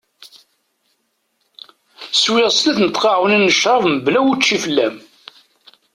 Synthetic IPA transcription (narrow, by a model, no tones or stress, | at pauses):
swɪʁslæθnət̪ːqɑʕuninːəʃɾˤɑvməblæwut͡ʃːifəlːæm